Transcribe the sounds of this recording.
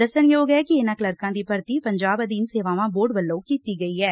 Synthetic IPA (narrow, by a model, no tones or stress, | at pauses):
d̪əsənjoːɡɛːkɪɪnaːkləɾkãːd̪iːpəɾt̪iːpəɲd͡ʒaːbəd̪iːnseːʋaːʋãːboːɖʋəlːõːkiːt̪iːɡəiːɦɛː